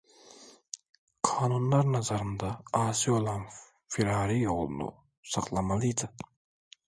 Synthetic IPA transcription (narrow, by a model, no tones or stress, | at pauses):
kʰɑːnunlˠɑɾnɑzɑɾɯnd̪ɑɑːsijolˠɑn | fiɾɑːɾijolˠṵnṵ | sɑqlˠɑmɑlˠijd̪ɪ